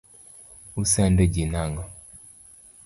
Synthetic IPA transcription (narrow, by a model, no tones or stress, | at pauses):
usandeɟinaŋɡa